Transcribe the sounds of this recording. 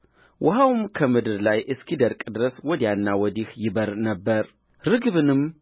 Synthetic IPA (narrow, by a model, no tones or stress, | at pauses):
wʔʊɦawmkʰəmɨd̪ɨɾlajʔɨskʰid̪əɾkʼd̪ɨɾəswɔd̪ijanːawɔd̪ihjɪbəɾnəbːəɾ | ɾɨɡβɨnɨm